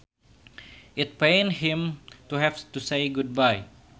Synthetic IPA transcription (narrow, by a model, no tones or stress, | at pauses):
ʔɪt̪̚pẽnhĩmt̪uɦɛft̪usejɡud̚baj